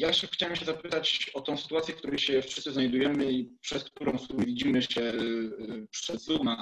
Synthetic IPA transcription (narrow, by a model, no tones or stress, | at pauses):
jaɛxt͡ɕawɛmɕɛzapɘt̪at͡ɕɔt̪ɔ̃w̃sɘ̥t̪uwat̪ʲjɛk̚t̪uɾɛjɕɛfʂɘst̪sɨznajd̪ujɛmɘipʂɛskt̪uɾɔ̃w̃suvʲid͡ʑimɘɕɛ | pʂɛzuma